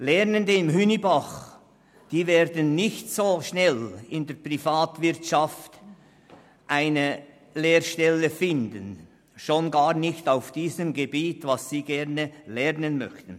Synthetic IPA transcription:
lɛʁnəndəɪmɦynibaχ | d̥iːveːɾdən̩nɪçtsoːʃnɛlɪndɛɐprifaːtvɪɐtʃaft | ʔaɪnə | leːɾʃtɛləfɪndən | ʃonɡaːʁnɪçtaʊfd̥iːzəmɡebiːtvasiːɡɛʁnəlɛʁnənmœ̰çtən̩

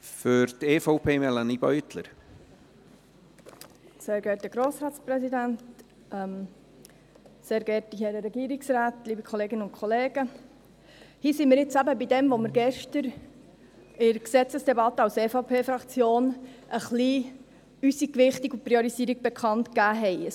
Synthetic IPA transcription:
fʏɾt̪eːfɔʊpʰeːmɛlanibœʏt̪lə̰ɾ | seːɾɡɛːɾtəɡɾoːsɾɑːtsprɛsidænt | ʔɛm | seːɾɡɛɾtihɛɾəɾɛɡiːɾiksraːtliːbikʰχɔleːɡɪnəʊntkʰχɔleːɡə | hiːsimɪːɾjɪt͡sæbəbidɛmʋoməɾɡɛʃtəɾ | ɪɾksɛt͡səsd̥ɛbɑtəɑʊseːfɑʊpʰeːfɾɑkt͡sjoːnʔəχli | ysikʋɪχtiɡupɾioɾisiːəɾiɡ̚b̥ɛkʰɑntkæːɦɛɪə

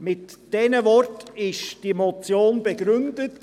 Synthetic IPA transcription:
mɪtd̥ɛnəvɔrtɪʃd̥imot͡sjoːnbɛɡɾʏndət

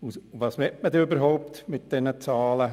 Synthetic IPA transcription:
uʋɑːsʋɛtmədɛøbəɾɦoʊpt̪mɪt̚d̥ɛnət͡sɑːlə

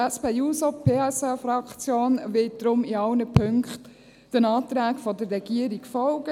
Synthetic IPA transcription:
ɛspeːjuːsɔpʰeːɛsɛfɾɑkt͡sjoːnʋɪt̚d̪̥ɾʊmiɑwnəpʰøŋkχt | d̥ənɑːt̪ɾæːkfɔdərːɛɡ̥iəɾikfɔlɡə

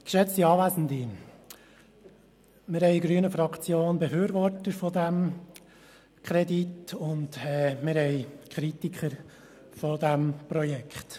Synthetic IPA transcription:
kʃɛt͡stiɑːʋæzn̩di | mɪɾhɛɪɡɾyənəfɾɑkt͡sjoːnbefyːɾʋɔrtəɾfɔdæm | kʰɾɛditʊndɛmɪɾhɛɪkʰχɾitikʰəɾ | fodæmpɾɔjɛkχt

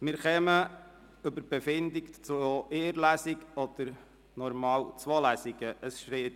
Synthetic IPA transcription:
mɪːɾχɛmə | ʏbəb̥ɛfɪnd̪ikt͡soʔeːəɾlæsiɡɔd̪̥əɾ | nɔɾmɑːwt͡swolæsiɡ̥əəsʃɾeːt

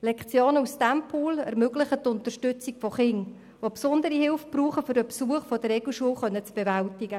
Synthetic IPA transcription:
lɛkχt͡sjoːnəustæmpʰuːlɛɾmøɡlɪχətʊntərʃtʏt͡sikfɔχɪŋ | ʋopsʊndəɾihɪlfb̥ruːχəfʏɾdəpsuəχfɔd̥ərɛɡl̩ʃuəlχœnːət͡sb̥evæltɪɡə

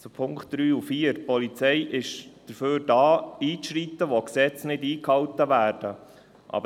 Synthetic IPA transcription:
t͡supʰʊŋkχt̚d̥ɾyːufiːəɾpɔlit͡sɛjʔɪʃd̥əɾføːɾdɑːiːʃɾit̪ːəʋoksɛt͡snɪdiːkhɑwt̪əʋæːɾd̥ə | ʔɑ̰b

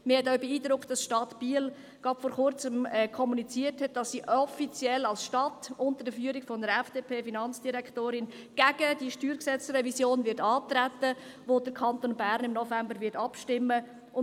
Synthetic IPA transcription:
məhɛtaʊbeiːdɾʊktd̥ɑsʃtɑtb̥iːl | ɡ̥ɑtfɔɾχʊɾt͡səmɛkʰɔmunit͡siəthɛt̚d̥ɑsːiːʔɔfit͡sjɛlɑlsʃtɑtʊntəɾdəfyəɾikfɔnəɾɛfd̥eːpʰeːfinɑnt͡sd̥iɾɛktoːɾɪn | ɡ̥æɡəd̥iʃtyːɾksɛt͡srɛvisjoːnvɪɾtɑːtɾæt̪ːə | ʋod̥əɾkʰɑntoːnbæɾnɪmnɔfæmbəɾvɪtɑpʃtɪmːə | ʊ

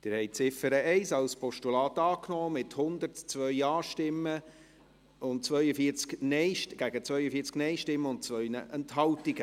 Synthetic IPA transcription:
d̥ɪːɾhɛɪt͡sɪfəɾəɛɪsɑlspɔʃtulɑːtɑːknɔːmɪthʊnd̪əɾtt͡sʋœʏɑːʃtɪmːə | ʊnt͡sʋœʏəfiːt͡sknɛɪʃɡ̥æɡ̥ət͡svœʏəfiːɾt͡sknɛɪʃtɪmːəʊnt̚t͡sʋœʏnə̰ʔɛnthɑltɪɡ̥ə

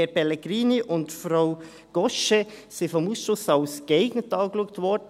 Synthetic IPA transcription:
ɛɾpɛlɛɡɾiːniʔʊntfɾaʊ | ɡ̥ɔʃɛ | sɪfɔmuːsʃʊsaʊsɡ̥eɪɡnətɑːɡluək̚tvɔɾd

